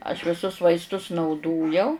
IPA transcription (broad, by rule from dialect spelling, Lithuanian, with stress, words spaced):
ɐʃ ʋʲɪˈsʊs ʋɐɪsˈtʊs nɐʊˈdoːjɛʊ